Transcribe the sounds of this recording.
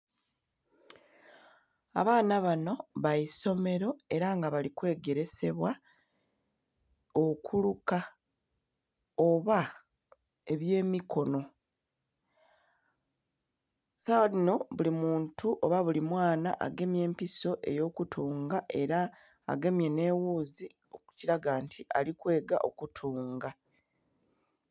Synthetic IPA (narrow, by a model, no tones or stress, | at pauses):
a̰βaːnaβano̞βaiso̞me̞ɾo̞e̞ɾaŋɡaβalikwe̞ːɡe̞ɾe̞se̞βwa | okʰuluka | oβa | e̞βje̞ːmiko̞no̞ | sawadino̞βulimuːntuʔo̞βaβulimwaːnaʔa̰ɡe̞mje̞ːmpiso̞ʔe̞̰jo̞ːkutʰuːŋɡaʔe̞ɾa̰ː | ɡe̞mje̞ne̞wuːzi | o̞ku̥ciɾaɡaːntʰiʔa̰likwe̞ːɡa̰ʔokutʰuːŋɡa